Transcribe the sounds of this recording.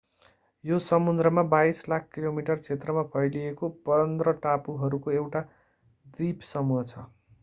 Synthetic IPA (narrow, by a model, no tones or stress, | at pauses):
josʌmund̪ɾʌmabajslakʰkilomiʈʌrt͡sʰet̪rʌmapʰʌjlijekopʌnd̪rʌʈapuɦʌɾukoewʈa | d̪ipsʌmuɦʌt͡sʰʌ